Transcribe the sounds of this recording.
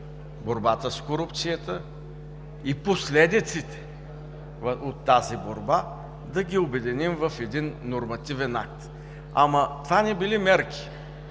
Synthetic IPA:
boɾbat̪əskoɾupt̪sijət̪ə | iposlɛd̪it̪sit̪ɛ̥ | vot̪ːaziboɾba | d̪ɐɡʲiobɛd̪inimvɐfɛd̪inːoɾmɐt̪ivɛna̰k̚t̪ | a̰mɐt̪vanɛbilimɛɾkʰʲi̥

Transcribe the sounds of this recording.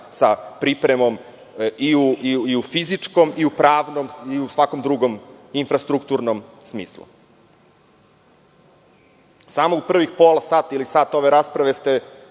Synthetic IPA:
sapɾipɾemo̞m | iuiufizit͡ʂko̞miupɾaːʋnomiusʋakomd̪ɾuɡominfɾast̪ɾukt̪uɾnom | smiːslṵ | samoupr̩ʋixpoːlasaːt̪ailisaːt̪o̞ʋeɾaspɾaʋe̞st̪e

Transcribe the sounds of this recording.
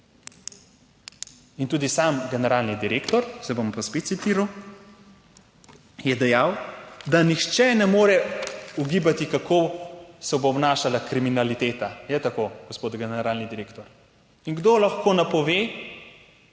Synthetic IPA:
int̪uːd̪isaːmɡɛnɛɾaːlnid̪iɾeːkt̪ɔɾsɛbompaspeːt̪sit̪iɾaw | jɛd̪ɛjaːwd̪anixt͡ʃɛnɛmoːɾɛuɡiːbat̪ikakʰoːsɛboːbnaːʃalakɾiminalit̪eːt̪ajɛt̪akoɡ̥ɔspod̪ɡɛnɛɾaːlnid̪iɾeːkt̪ɔɾ | iŋɡd̪olaxkoːnapɔʋeː

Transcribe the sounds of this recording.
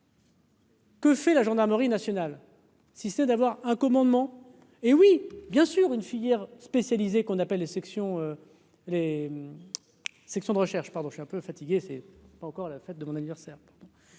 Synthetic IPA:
kəfɛlaʒɑ̃d̪aʁməʁinasjɔnal | sisənɛd̪avwaʁɛ̃kɔmɑ̃d̪mɑ̃ | ewibjɛ̃syʁynfijɛʁspesjalizekɔ̃napɛlːesɛksjɔ̃ø | lem | sɛksjɔ̃d̪əʁəʃɛʁʃpaʁd̪ɔ̃ʃɥiɛ̃pøfat̪iɡʲesɛpaɑ̃kɔʁlafɛt̪̚d̪əmɔ̃nanivɛʁsɛːʁpaʁd̪ɔ̃

